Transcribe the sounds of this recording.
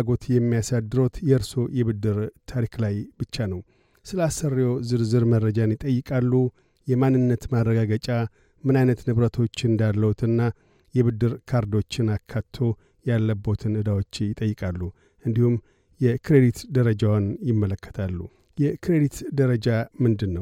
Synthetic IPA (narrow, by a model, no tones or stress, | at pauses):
ɡo̞t̪jɛmːijasad̪ːɨɾot̪jɛɨɾso̞jɛβɨd̪ːɨɾt̪ʰaɾiklajbɨt͡ʃːanəw | sɨləasərːjozɨɾzɨɾmərːəd͡ʒanjɪt̪ʼəjːɪkʼalːu | jɛmanːɨnːət̪marːəɡaɡət͡ʃʼa | mɨnajnət̪nɨβɾət̪ʰo̞t͡ʃːɨnd̪alːəwut̪ʰɨnːa | jɛβɨd̪ːɨɾkʰaɾd̪o̞t͡ʃːɪnakʰːat̪ʰːo̞ | jalːəbo̞t̪ʰɨnɨd̪awot͡ʃːjɪt̪ʼəjːɨkʼalːu | ʔɨnd̪ihum | jɛkʰɨɾed̪it̪d̪əɾəd͡ʒawnjɪmːələkːə̥t̪ʰalːu | jɛkʰɨɾed̪it̪d̪əɾəd͡ʒamɨnd̪ɨnːəw